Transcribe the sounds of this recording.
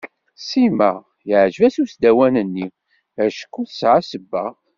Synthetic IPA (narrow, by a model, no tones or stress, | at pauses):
simæ | jəʕʒvæsusd̪æwænənːi | æʃə̥kːuθsʕasəbːæ